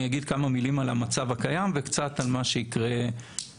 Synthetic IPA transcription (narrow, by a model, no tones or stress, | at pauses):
jaɡid̪̚kamamilimalamat͡savakajamvekt͡sat̪almaʃe̞ikʁe